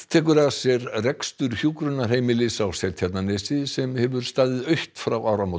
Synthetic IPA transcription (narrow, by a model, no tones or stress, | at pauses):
t̪ʰɛːkʏɾasjɛɾrɛkst̪ʏɾ̥çjuːkɾʏnḁɦeːjmɪlɪsawsɛlt̪ʰjɛt̪nanesɪsɛmhɛvʏɾ̥st̪aːðɪðœɥht̪fɾawaːwɾamot̪